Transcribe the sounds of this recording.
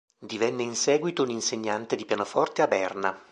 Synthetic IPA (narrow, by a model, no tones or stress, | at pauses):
d̪ivɛnːeinsɛːɡwit̪ouninseɲːant̪ed̪ipjanofɔrt̪eabɛrna